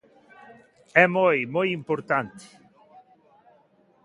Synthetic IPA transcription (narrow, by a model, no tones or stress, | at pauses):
ɛmɔjmɔjimpoɾt̪ant̪i̥